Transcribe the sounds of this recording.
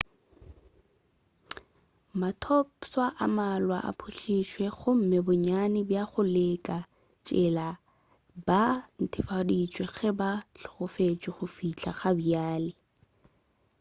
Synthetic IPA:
matʰɔpswaʔamalwa̰ʔa̰pʰuɬiʃwɛχʊm̩mɪbʊɲanɪbjaχʊlɪkʼa | t͡ʃʼɪla | ban̩tʰɪfadit͡ʃʼwɛχɛbaɬʊ̥χʊfet͡ʃʼɪχʊfit͡ɬʰaχabiaːlɪ

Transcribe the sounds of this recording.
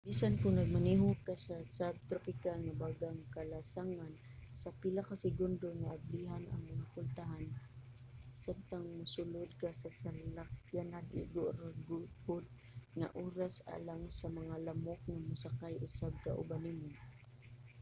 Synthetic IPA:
b̥isankʊŋnɐɡ̚maniɦʊkasasab̚t̪ɾopɪkalŋabaɡaŋkalasaŋan | sapɪlakasɪɡʊnd̪oŋaʔːbliɦanʔa̰ŋʊnapʊlt̪aɦan | samt̪aŋmʊsʊlʊd̪̚kasasalakjanad̪ʔɪ̰ʔɡʊʔɾɡʊhʊd̪̚ | ŋa̰ʔoːɾasa̰laŋsamɐŋalamʊk̚ŋamʊsakajʔʊsab̚ka̰ʔʊ̰banimʊ

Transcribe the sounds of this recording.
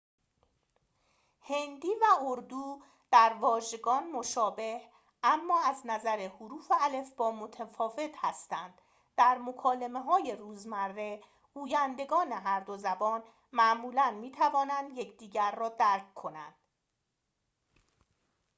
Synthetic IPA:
he̞nd̪iːvæoɾd̪uː | d̪̥æɾvɒːʒe̞ɡɒːnmoʃɒːbe̞h | ʔæmːɒːæznæzæɾehuɾuːfeæle̞fbɒːmot̪ʰæfɒːve̞t̪ʰhæst̪ænd̪̥ | d̪̥æɾmo̞kʰɒːle̞me̞ɦɒːje̞ɾuːzmæɾːe̞ | ɡ̥uːjænd̪e̞ɡɒːne̞ɦæɾd̪o̞zæbɒːn | mæʔmuːlænmiːt̪ʰævɒːnænd̪je̞cʰd̪iːɟæɾːɒːd̪æɾkkʰo̞næ̰nd̪̥

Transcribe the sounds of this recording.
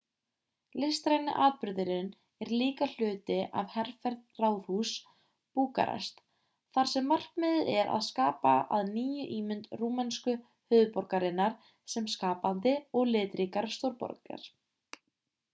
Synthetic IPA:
lɪst̪ɾajnɪ̰ʔaːðpʏɾðɪɾɪn | ɛɾliːkal̥ʏːt̪ɪʔa̰vhɛr̥fɛɾt̪̚raːwðhus | puːka̰ɾa̰st̪ | θaɾ̥sɛmːar̥kmɪðɪɛɾa̰ðskaːpaa̰ðniːjʏʔiːmʏnt̪ruːmɛnskʏ | hʏːðpɔɾkaɾɪnːaɾ̥ | sɛmskaːpant̪ɪɔɣlɪːt̪ɾikaɾst̪owɾpɔ̰ɾka̰ɾ̥

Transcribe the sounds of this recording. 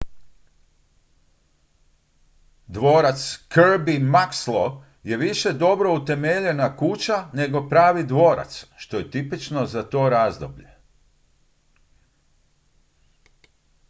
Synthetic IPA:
d̪ʋo̞ːɾat̪skəɾbimakslˠo | je̞ʋiʃe̞d̪o̞bɾo̞ut̪e̞meʎe̞nakut͡ɕane̞ɡo̞pɾaːʋid̪ʋo̞ːɾa̰t̪sʃt̪o̞je̞t̪ipit͡ʃno̞zat̪o̞ːɾaːzd̪o̰bʎe̞

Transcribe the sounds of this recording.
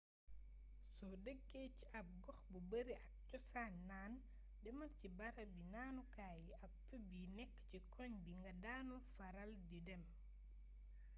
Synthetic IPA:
sɔdəɡːeciɐp̚ɡɔxbubəɾiʔɐk̚t͡ʃɔsaːɲːaːn | dɛmɐlcibɐɾɐbinaːnukaːjiɐk̚fubinɛkːcikʰɔɲbiŋɡɐdaːnufɐɾɐldidɛm

